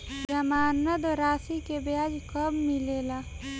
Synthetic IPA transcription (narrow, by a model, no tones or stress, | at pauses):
d͡ʒəmaːnəd̪oɾaːsikebjaːd͡ʒkəbmɪleːlaː